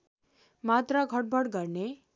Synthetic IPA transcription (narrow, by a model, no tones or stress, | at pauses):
mat̪raɡʱʌʈ̚bʱʌɽɡʌrne